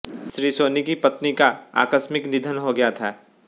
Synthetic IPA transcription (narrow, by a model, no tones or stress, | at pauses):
ʃɾiːsoːnikipɐt̪nikaa̰ːkəsmɪknɪd̪ʱənɦoɡɐjat̪ʰaː